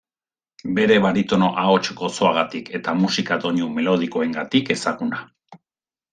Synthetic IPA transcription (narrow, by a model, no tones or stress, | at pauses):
be̞ɾe̞βaɾit̪o̞no̞ʔao̞t͡ʃɡo̞so̞aɣ̞at̪ike̞t̪amusikad̪o̞ɲume̞lo̞ð̞iko̞e̞ŋɡat̪ike̞saɣuna